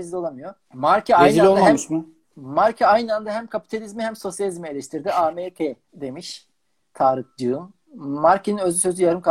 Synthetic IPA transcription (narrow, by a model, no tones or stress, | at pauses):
ezlʲolˠamɯjo | maɾcʰaajnilʲoamuʃmʊ | maɾcʰeajnɯand̪aɦæmkʰapi̥t̪ʰalʲizmihæmso̞sjalʲizmie̞lʲɛʃt̪ʰiɾd̪iaːmepʰe | d̪e̞miʃ | t̪ʰaːɾɯkd͡ʒɯɯmː | aɾcʰeninøzlʲysø̞zyjaɾɯmkʰa